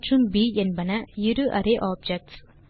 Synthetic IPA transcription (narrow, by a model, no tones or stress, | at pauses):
ʈɯmbiːɛnbɐnɐɪɾɯʔɐ̰ɾeʔaːb̚d͡ʒɛk̚ʈs